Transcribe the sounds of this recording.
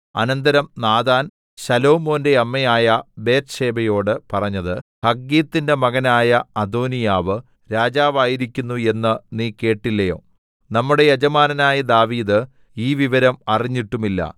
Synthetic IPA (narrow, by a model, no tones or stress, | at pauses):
ɐ̰nɐnd̪ɐɾɐmnaːd̪aːn | ɕɐlo̞ːmo̞ːnde̞ɐmːɐjaːjɐbe̞ːt̪ɕe̞ːbɐjo̞ːɽɨpɐrɐɲːɐðɨhɐɡːiːt̪ːinde̞mɐɣɐnaːjɐɐd̪o̞ːnijaːʋɨ | ɾaːd͡ʑaːʋaːjiɾikʲːunːue̞nːɨniːke̞ːʈːilːɐjo̰ː | nɐmːuɽe̞jɐd͡ʑɐmaːnɐnaːjɐd̪aːʋiːðɨ | iːʋiʋɐɾɐmɐriɲːiʈːumilːɐ̰